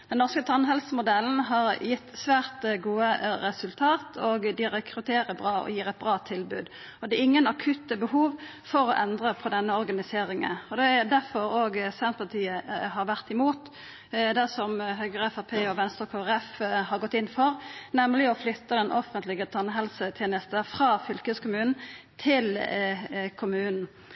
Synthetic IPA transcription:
d̪̥ɛnnɔʁskət̪ʰɑnɦɛlsəmʊd̪ɛlːn̩ɦɑɾjɪt̪ːsʋæːʁt̪ɡuːəɾɛsʉlt̪ʰɑːt̪ʰoːɡd̪ɪɾɛkʰɾʉt̪ʰeːʁəbʁɑːɔ̰jiːʁɛt̪̚bʁɑːt̪ʰɪlbʉːd̪ | ɔd̪ɛɪŋːənɑkʰʉt̪əbəhuːʋ | fɔɾɔʔɛnd̪ʁəpʰɔd̪ɛnːəɔʁɡɑnɪseːɾɪŋə̰nɔd̪ɛd̪æʁfɔɾoːɡsɛnt̪̚pʰɑt̪ʰiːəhɑɾʋæʁt̪ɪmuːt̪ | d̪æsɔmɦøːɡəʁɛfæpʰeːɔʋɛnst̪əɾkʰoːɛʁɛfhɑɾɡɔt̪ːɪnːfɔɾnɛmlɪɔflʏt̪ːəd̪ɛnʔɔfənt̪lɪɡət̪ʰɑnːəɦɛlsət̪ʰjeːnəst̪əfʁɑːfʏlkəskʊmʉːnn̩t̪ʰɪl | kʰʊmʉːnn̩

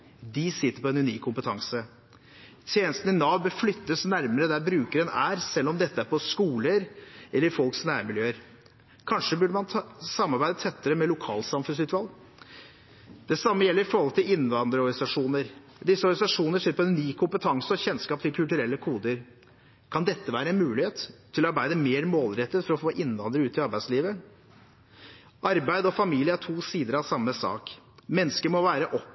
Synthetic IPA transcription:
d̪ɪsɪt̪ːəɾpʰɔɛnʉniːkʰːʊmpət̪ʰɑŋsə | t̪ʰjeːnəst̪n̩ɪnɑːbəflʏt̪ːəsnæɾməɾəd̪æɾbɾʉːkəɾɛnæːɾsɛlːɔmd̪ɛt̪ːəæɾpʰɔskuːləɾʔɛlːəɾfɔlksnæːɾmɪljøːəɾ | kʰɑnʂəbʉɖəmɑnt̪ʰsɑmːɑɾbæɪd̪ət̪ʰɛt̪ːəɾəmɛlʊkʰɑ̰ːlsɑmfʉnsʉːt̪ʰːʋɑːl | d̪̥ɛsɑmːəjɛlːəɾɪfɔɾhɔlt̪ʰɪlɪnʋɑnd̪ɾəɔɾɡnɪsɑʂuːnəɾ | d̪ɪsːəɔɾɡnɪsɑʂuːnəʂeːɾəpʰɔɛnːyːkʰʊmpət̪ʰɑŋsəɔçɛnskɑːp̚t̪ʰɪlkʰʉlt̪ʉɾɛlːəkʰuːd̪əɾ | kʰɑnd̪ɛt̪ːəʋæːɾəɛnmʉːlɪheːt̪ʰː | ɪlɔɑɾbæɪd̪əmeːɾmoːlɾɛt̪ːət̪fɔɾɔfoːʔɪnːʋɑnd̪əɾəʉːt̪ɪɑɾbæɪd̪sliːʋə | ʔɑɾbæɪd̪ɔfɑmiːlɪəæʈʰuːsiːd̪əɾɑʋsɑmːəsɑ̰ːkmɛnːəskəɾmɔʋæːɾəʔɔp

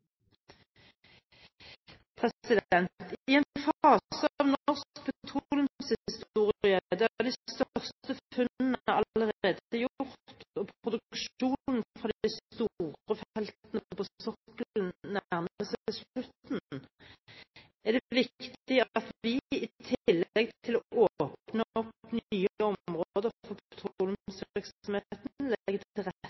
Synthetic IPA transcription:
pʰʁɛsɪd̪ɛnt̪ɪɛnfɑːsəɑːʋnʁsk̚pʰɛt̪ʰʁulɪnshɪɪst̪uːʁɪəd̪æd̪æɪst̪œʁst̪əfʉnn̩əɑlləʁeːd̪əjʊʁt̪t̪opʰʁʊd̪ʉkʃuːnn̩fʁɑːd̪ɪst̪uʁəfɛlt̪nəpʰɔsɔkəlnnæʁməsəslʉt̪n | æd̪ɛʋɪktt̪ɪɑt̪ʋɪɪt̪ʰɪlːɛɡ̚t̪ʰɪlɔʔoːpnɔpnyːɔmʁooːd̪əfɔpʰt̪ʰːlmsɪksɔmhet̪nlɡət̪ɪlʁ

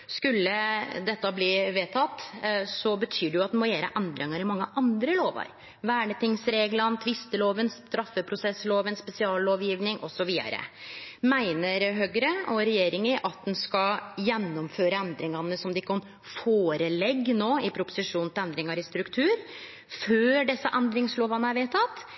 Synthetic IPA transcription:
skʉlːəd̪ɛt̪ːəbliʋeːt̪ʰɑt̪ːsɔbət̪ʰyːɖɛjʊɑt̪̚d̪ɛmɔjæːɾə̰ʔɛnd̪ɾɪŋɑɾɪmɑŋːəʔɑnd̪ɾəloːʋə̰ɾ | ʋæːɳət̪ʰɪŋsɾeːɡlənt̪ʰʋɪst̪əloːʋənst̪ɾɑfːəpʰɾʊsɛsːloːʋənspɛsɪɑːlːoːʋjiːʋnɪŋʔɔsɔʋiːd̪ɑ̰ɾə̰mæɪnəɾɦøːɡəɾəɔɾɛjeːɾɪŋəʔɑt̪̚d̪ɛnskɑjɛnːɔmføːɾəɛnd̪ɾɪŋɑnːəsɔmd̪ɛɪkːkɑn | foːɾəlɛɡːnoːɪpʰɾʊpʊ̥sɪʂuːnt̪ɪlɛnd̪ɾɪŋɑɾɪst̪ɾʉkt̪ʰʉːɾ | føːɖɛsːəʔɛnd̪ɾɪŋsloːʋɑnəæɾʋeːt̪ɑt̪ː

